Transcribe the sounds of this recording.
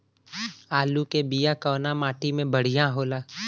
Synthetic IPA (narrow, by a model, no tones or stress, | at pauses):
aːlukebijakɔːnamaːʈimẽbəɽ̤ijãɦoːlaː